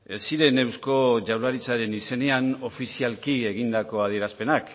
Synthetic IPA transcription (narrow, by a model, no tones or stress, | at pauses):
esiɾe̞ne̞wsko̞ʝawlaɾit͡saɾe̞nise̞ne̞ano̞fisialkie̞ɣ̞ind̪ako̞að̞ie̞ɾaspe̞nak